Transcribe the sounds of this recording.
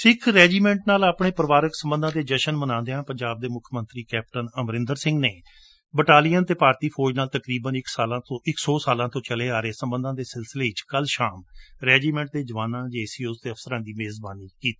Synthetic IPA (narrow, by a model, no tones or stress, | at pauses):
sɪkʰɾɛːd͡ʒiːmɛ̃ːɳʈnaːlaːpɳeːpəɾəʋaːɾəksəmbənd̪ãːd̪eːd͡ʒəʃənmənãːnd̪eãːpəɲd͡ʒaːb̚d̪eːmʊkʰmə̃nt̪ɾiːkɛːp̚ʈənəmɾɪ̃nd̪əɾsɪ̃ŋɡneː | bəʈaːlijənt̪eːpaːɾt̪iːpʰoːɾd͡ʒnaːlt̪əkɾiːbənɪksaːlãːõɪksɔːsaːlãːt̪õːt͡ʃəleːaːɾeːsəmbənd̪ãːd̪eːsɪlsɪleːɪt͡ʃkəlʃaːmɾɛːd͡ʒiːmɛ̃ːɳʈ̚d̪eːd͡ʒəʋaːnãːd͡ʒeːsiːʊst̪eːəfsəɾãːd̪iːmeːzbaːniːkiːt̪i̥